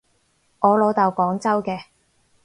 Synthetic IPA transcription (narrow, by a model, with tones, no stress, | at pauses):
ʔɔː˨˧lo˨˧˥t̪ɐ˨wkɔː˨˥ŋt͡sɐ˥wkɛː˧